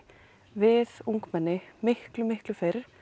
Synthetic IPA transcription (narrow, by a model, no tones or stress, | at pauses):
vɪðuŋkmɛnːɪmɪhklʏmɪhklʏfejɾ̥